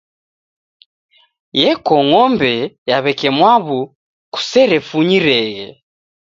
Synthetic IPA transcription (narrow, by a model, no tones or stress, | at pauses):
jɛkɔŋɔmbɛjaβɛkɛmwaβu | ku̥sɛɾɛfuɲiɾɛɣɛ̰